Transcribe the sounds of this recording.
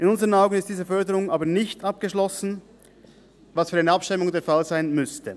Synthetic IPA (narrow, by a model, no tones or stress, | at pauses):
ʔɪnʊnzəʁənaʊɡn̩ɪstd̥iːzəfœɐdəʁʊŋʔaːbəɐnɪçtɑp̚ɡ̥əʃlɔsn̩ | vɑsfyːʁaɪnəɑpʃtɪmʊŋdeːɐfalzaɪnmʏstʰə